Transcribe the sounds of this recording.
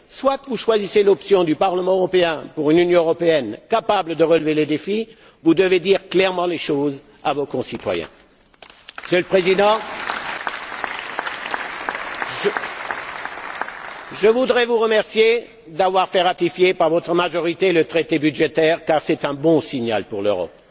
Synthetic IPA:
swat̪vuʃwaziselɔpsjɔ̃d̪ypaʁləmɑ̃øʁɔpeɛ̃puʁynynjɔ̃øʁɔpeɛnkapabləd̪əʁəlveled̪efi | vud̪əved̪iʁklɛʁmɑ̃leʃoz | avokɔ̃sit̪wa̰jɛ̰̃ | məsjələpχezid̪ɑ̃ | ʒ | ʒəvud̪ʁɛvuʁəmɛʁsje | d̪avwaʁfɛʁat̪ifjepaʁvɔt̪χəmaʒɔʁit̪elət̪χet̪ebydʒet̪ɛːʁkaʁsɛt̪ɛ̃bɔ̃siɲa̰lpuʁløʁɔ̰p̚

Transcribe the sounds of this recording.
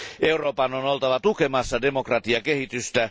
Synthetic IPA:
e̞wro̞ːpɑnono̞lt̪ɑʋɑt̪uke̞mɑsːɑde̞mo̞krɑt̪iɑke̞hit̪yst̪æ

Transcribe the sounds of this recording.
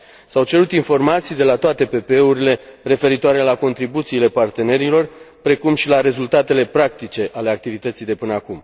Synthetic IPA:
sawt͡ʃe̞ɾut̪info̞rmat̪sijd̪e̞lat̪oat̪e̞pe̞peeuɾile̞re̞fe̞ɾit̪oaɾe̞lako̞nt̪ɾibut̪siːle̞part̪e̞ne̞ɾilo̞r | pɾe̞kumʃilaɾe̞zult̪at̪e̞le̞pɾak̚t̪it͡ʃe̞ʔale̞ak̚t̪ivit̪ət̪sijd̪e̞pɨnəakum

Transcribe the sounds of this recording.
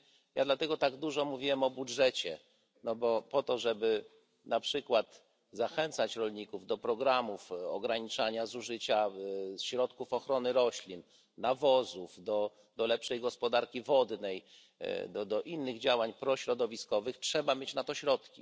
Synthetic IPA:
ja̰d̪lat̪ɛɡɔt̪aɡd̪uʐɔmuvʲiwɛmɔbudʐɛt͡ɕɛ | nɔbɔpɔt̪ɔʐɛbɘ | napʂɘkwat̪ | zaxɛnt̪sat͡ɕɾɔlɲikuvd̪ɔpɾɔɡɾamufɔ̰ɡɾaɲit͡ʂaɲazuʐɘt͡ɕasɕɾɔt̪kufɔxɾɔnɘɾɔɕlʲinː | avɔzufd̪ɔ | d̪ɔlɛpʂɛjɡɔspɔd̪aɾkʲivɔd̪nɛj̰ | d̪ɔd̪ɔʔinːɘɣd͡ʑawaɲpɾɔɕɾɔd̪ɔvʲiskɔvɘxtʂɛbamʲjet͡ɕnat̪ɔɕɾɔt̪kʲi̥

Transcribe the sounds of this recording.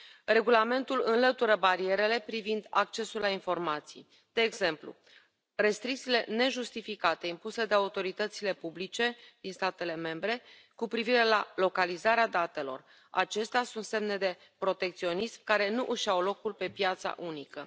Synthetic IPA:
re̞ɡulame̞nt̪ulɨnlət̪uɾəbaɾie̞ɾe̞le̞pɾivind̪ak̚t͡ʃe̞sulːainfo̞rmat̪sij | d̪̥e̞ːɡze̞mplṵ | re̞st̪ɾikt̪sile̞ne̞ʒust̪ifikat̪e̞impuse̞d̪e̞aut̪o̞ɾit̪ət̪sile̞publit͡ʃe̞d̪̥inst̪at̪e̞le̞me̞mbɾe̞ | kupɾiviɾe̞lalo̞kalizaɾead̪at̪e̞lo̞̰r | a̰t͡ʃe̞st̪easunt̪se̞mne̞d̪e̞ | pɾo̞t̪e̞k̚t̪sio̞nismkaɾe̞nuʔɨʃawlo̞kulpe̞pjat̪sa̰ʔunikə

